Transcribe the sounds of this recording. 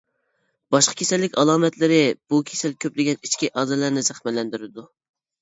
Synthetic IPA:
b̥ɑʃqʰə̥kʲʰesɛlːɪkʲɑlˠɑːmɛt̪lɪɾɪb̥ukʲʰe̥sɛlkʲʰøplɪɡʲɛnit͡ʃkʲiʔɑːzɛlæɾnɪzæχmɛlːɛnd̪yɾɪd̪u

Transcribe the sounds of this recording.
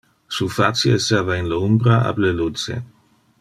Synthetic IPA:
sufat͡sjeestaːvainleumbɾaa̰blelut͡sḛ

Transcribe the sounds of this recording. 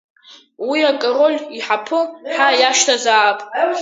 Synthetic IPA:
wiakʼarolʲiħapʰɨħajaʃtʰazaːpʼ

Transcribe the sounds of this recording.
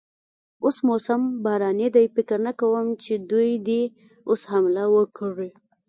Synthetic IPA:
osmosambɑɾɑned̪ajfɪkəɾnakawəmt͡ʃed̪ujd̪e | oshamlawəkɽi

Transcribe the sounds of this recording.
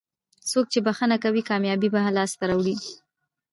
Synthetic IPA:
sok̚t͡ʃebaxənakawikɑmjɑbibaɦalɑst̪aɾawɽi

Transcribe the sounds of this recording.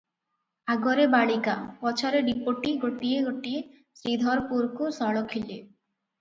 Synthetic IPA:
aɡɔɾebaɭikapɔt͡ʃʰaɾeɖipoʈiɡoʈieɡoʈie | sɾid̪ʱɔɾpuɾkusɔɭɔkʰile

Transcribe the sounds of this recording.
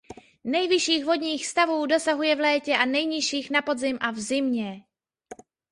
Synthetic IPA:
nɛjvɪʃiːɣvo̞dɲiːxst̪avuːdo̞saɦujɛvlɛːcɛʔanɛjɲɪʃiːxnapo̞dzɪmʔavzɪmɲɛ

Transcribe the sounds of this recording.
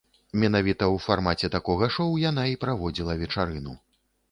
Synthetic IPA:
mʲɛnavʲit̪ɐwfarmat͡sʲɛt̪akɔɣɐʂɔwjan̪aipɾavɔd͡zʲilˠɐvʲɛt͡ʂaɾɨnu

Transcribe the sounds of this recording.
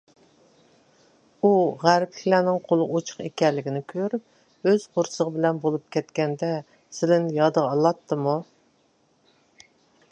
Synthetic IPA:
uʁæɾpɪkʲlæːnɪŋqʰolˠəot͡ʃʰʊ̥χekʲɛlːɪɡʲinɪkʲʰøɾyp̚ | øz̥qʰʊɾsəʁəbɪlɛnbolˠup̚kʲʰɛt̪kʲɛnd̪ɛ | sɪlɪnjɑd̪əʁɑlˠɑt̪ʰːɨmu

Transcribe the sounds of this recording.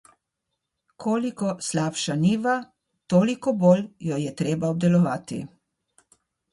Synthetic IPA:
kʰoːlikɔslaːpʃaniːʋa | t̪oːlikɔboljɔjɛt̪ɾeːbaɔb̚d̪ɛlɔʋaːt̪ḭ

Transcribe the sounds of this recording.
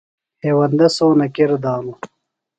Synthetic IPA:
heːwɐnd̪ɐsoːnɐkeɾd̪ɑːnu

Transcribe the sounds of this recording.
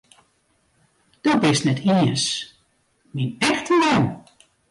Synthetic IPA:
d̥ɔbɪsnɛtʰiəs | minɛxtəlɔn

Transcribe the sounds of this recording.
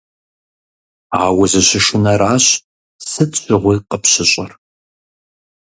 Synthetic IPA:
aːwɐʑɐɕɪʂɪnɐɾaːɕ | sɨt͡ʃʼɪʁʷiːqəpɕɪɕʼɐr

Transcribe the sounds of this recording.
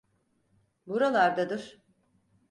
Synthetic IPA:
buɾalˠaɾd̪ad̪ɯɾ̥

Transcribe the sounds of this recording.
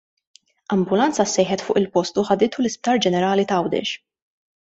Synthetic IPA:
ɐmbʊlɐnt͡sɐsːɛjħɛt̪fʊ̰ːʔɪlpɔst̪uħɐd̪ɪːt̪ulɪsp̚t̪ɐːɾd͡ʒɛnɛɾɐːlit̪ɐwd̪ɛ̰ʃ

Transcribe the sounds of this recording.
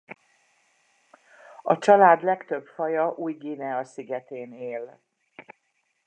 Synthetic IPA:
ɒt͡ʃɒlaːd̪lɛkt̪ø̞bfɒjɒʔuːjɡinɛɒsiɡɛt̪eːneːl

